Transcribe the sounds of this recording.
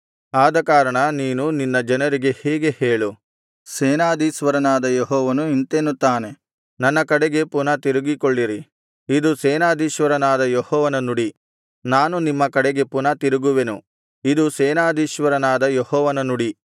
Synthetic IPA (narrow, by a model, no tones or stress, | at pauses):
aːd̪ɐkaːɾɐɳɐniːnuninːɐd͡ʒɐnɐɾiɡe̞hɛːɡe̞heːɭu | seːnaːd̪iːʃʋɐɾɐnaːd̪ɐjeɦɔːʋɐnuint̪eːnut̪aːne̞ | nɐnːɐkɐɽeɡe̞punɐt̪iɾuɡikoɭːiɾi | id̪usɛːnaːd̪iːʃʋɐɾɐnaːd̪ɐjehɔːʋɐnɐnuɽi | naːnunimːɐkɐɽeɡe̞punɐt̪iɾuɡuʋe̞nu | id̪usɛːnaːd̪iːʃʋɐɾɐnaːd̪ɐjehɔːʋɐnɐnuɽi